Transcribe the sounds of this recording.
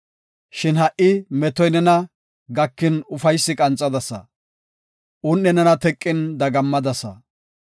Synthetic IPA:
ʃɪnhɐʔʔɪmɛt̪ɔjnɛnɐ | ɡɐkːɪnʊfɐjsːɪkʼɐnt͡sʼːɐd̪ɐsɐ̰ | ʔʊnːɛnɛnɐt̪ɛkʼːɪnd̪ɐɡɐmːɐd̪ɐsɐ̰

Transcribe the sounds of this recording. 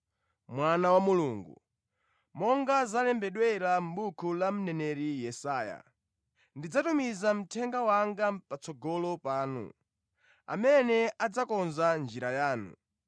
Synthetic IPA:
mwanawamuluːŋɡu | mɔŋɡazalɛmbɛɗwɛɾam̩ɓukʰulam̩nɛnɛɾijɛsaːja̰ | ndid͡zatumizam̩tʰɛŋɡawaŋɡapat͡sɔɡɔlɔpaːnṵ | a̰mɛnɛad͡zakɔnzand͡ʒiɾajaːnṵ

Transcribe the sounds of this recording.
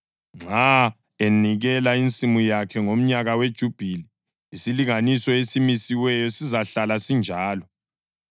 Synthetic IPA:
ŋ͡ǁʱa | eniɣɛlaint͡sʼimujakʰɛŋom̩ɲaɣawed̥ʒ̥ʱub̥ʱili | isiliŋanisɔesimisiwɛjɔsizaɬalasind͡ʒʱaːlɔ

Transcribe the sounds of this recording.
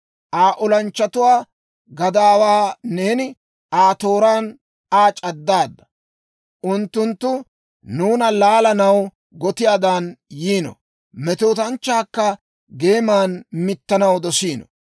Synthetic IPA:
ʔaːʔʊlɐnt͡ʃːɐt̪ʊwaː | ɡɐd̪aːwaːne̞ːnɪ | aːt̪o̞ːɾaːn | aːt͡ʃʼɐd̪ːaːd̪ːɐ̥ | ʔʊnt̪ːʊnt̪ːʊ | nuːnɐlaːlɐnɐw | ɡɔt̪ɪjaːd̪aːnjiːnɔ̰ | mɛt̪oːt̪ɐnt͡ʃːaːkːɐ | ɡe̞ːmaːnmɪt̪ːɐnɐwd̪ɔsiːnɔ̰

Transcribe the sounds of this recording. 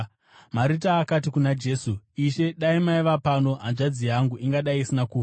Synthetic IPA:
maɾitaːkatikunad͡ʒe̞suiʃe̞ɗaimaiʋapano̞ɦanʐad͡zijaŋɡuʔiŋɡaɗaiːsinakuːfa

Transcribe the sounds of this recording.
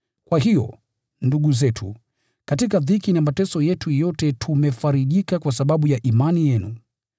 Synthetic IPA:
kwaɦijɔ̰ | nduɠuzɛtʰṵ | katikaðikinamatɛsɔjɛtʰujɔtɛtʰumɛfaɾiʄikakwasaɓaɓujaʔimanijɛnu

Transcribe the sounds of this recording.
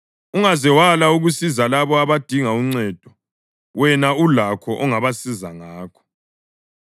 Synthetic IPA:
uŋazɛwalauɣusizalaβɔaβad̥ʱiŋauŋ͡ǀɛd̥ʱɔ | wɛnaulakʰɔʔɔŋaβasizaŋaːkʰɔ̥

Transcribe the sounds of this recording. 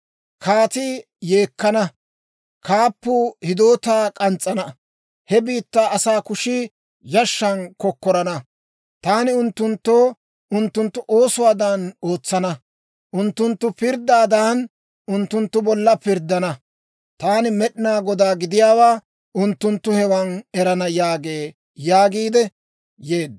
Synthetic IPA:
kʰaːt̪ɪ | je̞ːkːɐnɐ | kaːpːʊhɪd̪o̞ːt̪aːkʼɐnt͡sʼːɐnɐ | hɛbiːt̪ːaːɐsaːkʊʃɪ | jɐʃːɐnkɔkːɔɾɐnɐ | t̪aːnɪʊnt̪ːʊnt̪ːoː | ʊnt̪ːʊnt̪ːʊʔo̞ːsʊwaːd̪aːno̞ːt͡sːɐnɐ | ʔʊnt̪ːʊnt̪ːʊpɪɾd̪ːaːd̪aːn | ʔʊnt̪ːʊnt̪ːʊbɔlːɐpɪɾd̪ːɐnɐ | t̪aːnɪmɛɗɪnaːɡɔd̪aːɡɪd̪ɪjaːwaː | ʊnt̪ːʊnt̪ːʊhɛwɐnɛɾɐnɐjaːɡeː | jaːɡiːd̪ɛ | jeːd̪

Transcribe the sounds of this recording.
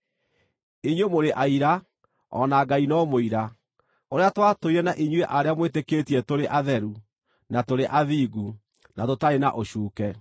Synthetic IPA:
iɲwemoɾeʔaiɾa | ɔ̰naɡainɔmoiɾa | oɾeatwatoiɾɛnaʔiɲweʔaɾeamwetekeːtiɛtoɾeʔaðɛɾu | natoɾeʔaðiːɡu | natotaɾenaʔoɕuːkɛ

